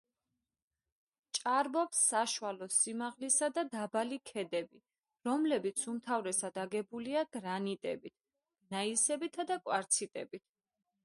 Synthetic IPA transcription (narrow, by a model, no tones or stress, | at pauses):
t͡ʃʼaɾbɔpsːaʃwalɔsimaʁlisad̪ad̪abalikʰɛd̪ɛbi | ɾɔmlɛbit̪sʰumt̪ʰavɾɛsad̪̥aɡɛbuliaɡ̥ɾanit̪ʼɛbit̪ʰ | ɡ̥naisɛbit̪ʰad̪akʼwaɾt̪sʰit̪ʼɛ̰bit̪ʰ